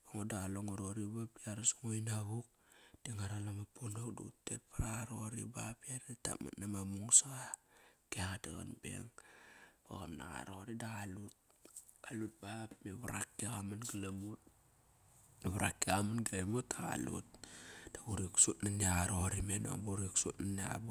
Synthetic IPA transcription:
boŋodaɣaloŋoɾoɾibapiaɾasoŋojnaɣuk̚d̥eŋaɾalamapʰonokdṵutːet̚paɾaaɾoɾḭbapiaɾadata̰ma̰tnamamuŋsaɣakeaɣata̰ɣa̰nbe̞̰ŋ | b̥a̰ɣamna̰ɣa̰ɾoɾidaɣalut̚ | alut̚bapmeβaɾa̰kːeɣamanɡalamut̚ | βaɾakːiamanɡalemutaɣa̰lṵt̚d̥aɡuɾiksutnaniaɣaɾoɾimeno̰ŋbuɾiksutnaniabu

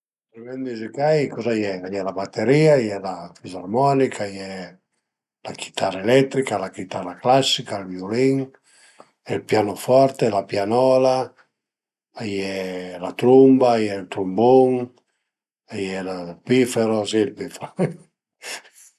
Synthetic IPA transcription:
t̪ɾimɛnd̪izikajkɔzajɛajɛlabat̪ːeɾiajɛlafizarmɔnikʰajɛ | laki̥t̪ʰaɾaelɛt̪ːɾikalakit̪aɾaklasːikalvjuliŋ | ɛlpjanofɔɾt̪elapjanɔla | ajɛlat̪ɾumbaːjɛlt̪ɾumbuŋ | ajɛlalpifeɾosilpifeɾo

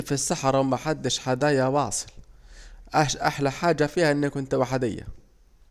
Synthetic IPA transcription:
fisːaħɑɾˤwmaħad̪ːɪʃħad̪aːjawɑːsˤɨ̥l | ʔaʔaħlaħaːd͡ʒafiːhaʔɪnːɪkʊnt̪waħd̪ɪjːa̰

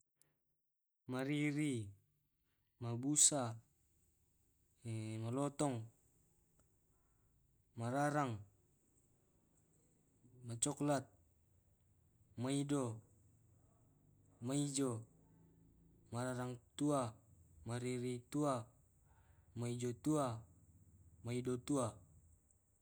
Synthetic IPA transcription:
maɾiɾi | mabusa | malɔt̪ɔŋ | maɾaɾaŋ | mat͡ʃɔklat̪̚ | maido | maid͡ʒo | maɾaɾaŋt̪uamaɾiɾit̪ua | maid͡ʒot̪ua | maidot̪ua

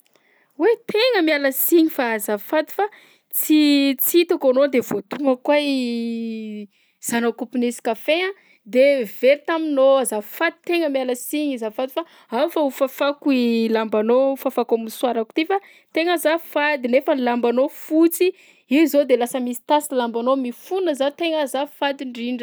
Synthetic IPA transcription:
wet̪ʰeŋəmialəsiɲifaazafad̪i̥fa | t͡sit͡sit̪akanod̪evot̪uŋəkwaj | z̥anokupinisi̥kafeã | d̪eveɾit̪aminoazafad̪i̥t̪eŋəmialəsiɲizafad̪ifa | afaufafakuilambanofafakaminswaɾaku̥t̪ifa | t̪eŋəzafad̪inefəlambanofut͡si | iwzod̪elasəmisi̥t̪asilambanomifunəzat̪eŋəzafad̪iɳɖ͡ʐiɳɖ͡ʐ

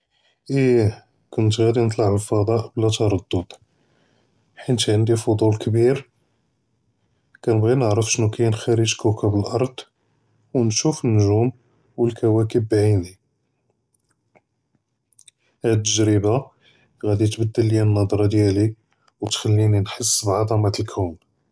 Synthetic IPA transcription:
ʔi | kʊnt̪ɣæd̪inət̪ˤlɑʕəlfɑd̪ˤɑʔblæt̪ɑɾˤɑd̪ˤːod̪̥ˤ | ħint̪ʕənd̪ifod̪ˤulkbiɾ | kænəbɣinəʕɾəfʃnukæjnxæɾəʒkukæbəlʔɑɾˤd̪̥ˤ | wnʃufənːʊʒum | wəlkæwækəbːʕini | hæd̪t̪ːəʒɾəba | ɣæd̪it̪bəd̪ːəlːjænːɑd̪ˤɾˤɑd̪jæli | wt̪xælːininħəsːbʕɑd̪ˤɑmɑt̪əlkʰæwn

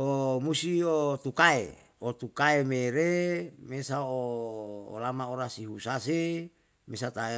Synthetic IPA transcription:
omusiot̪ukaḛ | ot̪ukaemeɾemesao̰ː | lamaoɾasiɦusase | mesat̪ae

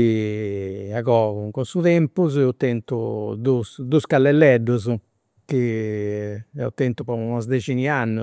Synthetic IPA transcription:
i | aɣɔːɣuŋkunsut̪ɛmpuzɛut̪ːɛnt̪ud̪usd̪uskalːɛlːɛɖːuz | k̟i | ɛ̰ṵt̪ːɛnt̪upɔunɔzd̪et͡ʃinianːu

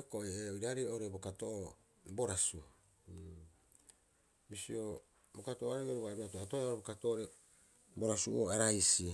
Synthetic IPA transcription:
koʔeoiɾaɾioɾebokatoʔo | boɾasu | misio | bokatooaɾeɡeɾuβaiboɾatoatooɾbokatoːɾe | boɾasṵo̰aɾajsi

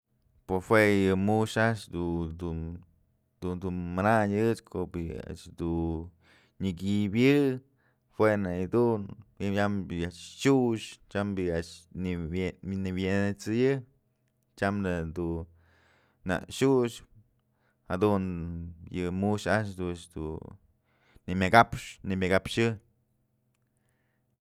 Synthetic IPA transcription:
pohwejɨmuʃaʔt͡ʃd̪ud̪u | d̪und̪umanaɲɨt͡ʃkʰobia̰t͡ʃd̪u | ɲɨɡibjɨ | fwenaid̪unjamaʔt͡ʃt͡ʃuʃt͡ʃambiaʔt͡ʃ | niβent͡sɨjɨ | t͡ʃamnɨd̪u | na̰ʔʃuʃ | had̪unjɨmuʃaʔt͡ʃd̪ut͡ʃd̪ṵ | nimʲaɡapʂnimʲaɡapʂɨ

